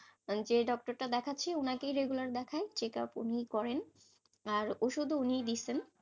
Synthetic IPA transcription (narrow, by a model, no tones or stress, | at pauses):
d͡ʑeɖɔk̚ʈoɾʈad̪ɛkʰaːeonakejɾeɡulaɾd̪ɛkʰaet͡ɕeka̰pṵnijkɔɾen | aɾoʃud̪ʱuunijd̪it͡ɕʰen